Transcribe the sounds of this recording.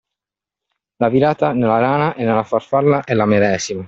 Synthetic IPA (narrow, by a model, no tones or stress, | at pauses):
laviɾaːt̪anelaɾaːnaʔenːelːafarfalːaʔɛlamed̪ɛːzima